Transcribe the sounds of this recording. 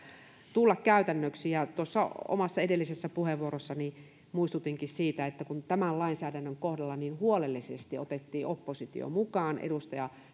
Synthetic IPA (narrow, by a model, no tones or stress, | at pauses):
t̪ulːɑkkæyt̪ænːøksijɑt̪uosːɑo̰mɑsːɑedelːisesːæpuheʋuorosːɑni | muist̪ut̪iŋkissiːt̪æet̪ːækunt̪æmællɑinsæːdænːøŋkohdɑlːɑninhuolelːisest̪iot̪et̪ːiːopːosit̪ḭo̰mukɑːnʔḛdust̪ɑjɑ